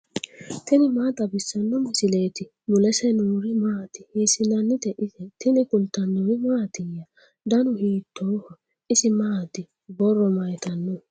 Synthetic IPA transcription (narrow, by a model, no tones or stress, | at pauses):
t̪ɪnɪmaːt̪ɐbɪsːɐnːɔmɪsɪleːt̪ɪ | mʊlɛsɛnuːɾɪmaːt̪ɪhiːsɪnɐnːɪt̪ɛʔɪsɛt̪ɪnɪkʊlt̪ːɐnːɔwɪmaːt̪ɪjːɐ | d̪ɐnʊhiːt̪ʰːohɔ | ɪsɪmaːt̪ɪ | bɔrːɔmɐjt̪ɐnːɔ